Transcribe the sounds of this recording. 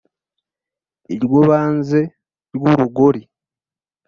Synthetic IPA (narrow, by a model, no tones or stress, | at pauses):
eɾwoβaːnze̞ | ɾwoːɾuɡoɾi